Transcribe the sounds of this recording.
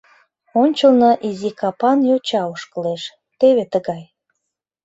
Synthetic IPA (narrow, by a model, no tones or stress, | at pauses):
onʲt͡ɕəlnoʔizikɑpɑnjot͡ɕɑoʃkəleʃ | t̪eβet̪əɣɑj